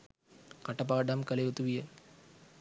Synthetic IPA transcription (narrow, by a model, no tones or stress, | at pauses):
kɐʈːɐp̬aːɖɐmkɐlɐut̪ːuʋijɐ